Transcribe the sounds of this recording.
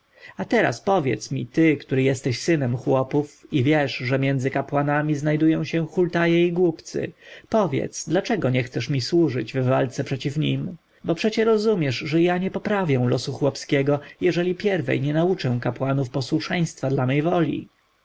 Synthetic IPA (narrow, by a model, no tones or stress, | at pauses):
at̪ɛɾa̰spɔvʲjɛ̰t̪smʲḭt̪ɘkt̪uɾɘjɛst̪ɛɕsɘnɛmxwɔpufivʲjɛʂʐɛmʲjɛnd̪zɘkapwanamʲiznajd̪ujɔ̃w̃ɕɛ̃xult̪ajɛiɡwupt̪sɘ̰pɔvʲjɛ̰t̪sd̪lat͡ʂɛɡɔɲɛxt̪sɛʂmʲiswuʐɘd͡ʑvːalt̪sɛpʂɛt͡ɕifɲim | bɔpʂɛt͡ɕɛɾɔzumʲjɛʐʐɛjaɲɛpɔpɾavʲjɛ̃w̃lɔsuxwɔpskʲɛɡɔjɛʐɛlʲipʲjɛɾvɛ̰jɲɛnaut͡ʂɛ̃w̃kapwanufpɔswuʂɛj̃st̪fad̪lamɛjvɔlʲḭ